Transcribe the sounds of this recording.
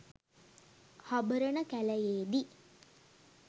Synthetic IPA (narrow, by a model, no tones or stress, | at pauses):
habəɾənəkæləjeːd̪i